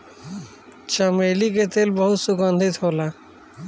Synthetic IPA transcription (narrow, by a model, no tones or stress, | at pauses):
t͡ʃəmeːliket̪eːlbəɦʊt̪sʊɡənd̪ʱɪt̪ɦoːlaː